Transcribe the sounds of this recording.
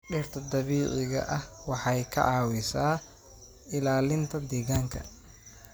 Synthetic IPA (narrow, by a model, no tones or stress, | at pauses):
ɖɪrt̪ʰɐd̪ɐβiːʕɪɣɐ̰ʔɐhwɑħɑjkʰɐ̰ʕɑːwɪsaː | ɪlaːlɪnt̪ʰɐd̪ɛːɣaːŋkʰɐ̰